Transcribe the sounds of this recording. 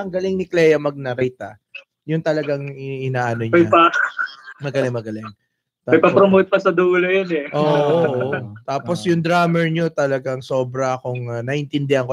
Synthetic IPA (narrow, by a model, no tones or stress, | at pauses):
ɐŋɡɐlɪŋnɪklɛjɐmɐɡ̚nɐɾɛjt̪ɐ̰ | jʊŋt̪ɐlɐɡaŋɪɪnaːʔɐnoɲɐjpa | mɐɡɐlɪŋmɐɡɐlɪŋ | t̪aɐjpɐpɾomowt̪̚pɐsɐd̪uːlojɐnɛʔoːʔoʔt̪aːpo̞sjʊŋd̪ɾaːmɛɹɲo̞t̪ɐlɐɡaŋso̞ːbɾɐkʊŋnɐʔɪnt̪ɪnd̪ɛhɐŋko